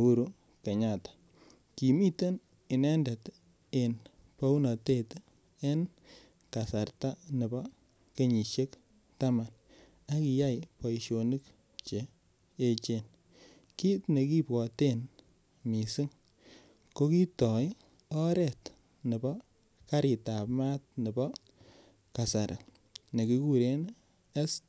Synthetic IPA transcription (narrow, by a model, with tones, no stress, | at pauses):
u˦ɾu˦ | ke˨ɲa˨tḁ˨ | ki˨mi˦te˦n | ɪ˨nɛ˦ndɛ˨t | e˨n | pa˦u˦na˨te˦˨t | e˦n | ka˨sa˨ɾta˦nɪ˨bɔ˦ | ke˦ɲi˨ʃe˦k | ta˦ma˨n | a˦ki˨ja˦jpɔ˨i˨ʃo˨nɨ˦k | t͡ʃe˨ | e˦t͡ʃe˨n | ki˦tne˨ki˦pɔ˨te˦n | mi˨si˦ŋ | ko˦ki˦tɔ˨j | ɔ˦ɾɛ˨t | nɪ˨bɔ˦ | ka˦ɾi˨ta˨pma˦t̚nɪ˨bɔ˦ | ka˨sa˨ɾʔa˨ | ne˨ki˦ku˦ɾe˦n | e˦s